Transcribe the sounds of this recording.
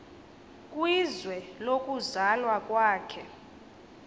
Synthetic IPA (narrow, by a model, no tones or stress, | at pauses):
kʼwizwɛlokʼuzalwakʼwaːkʰɛ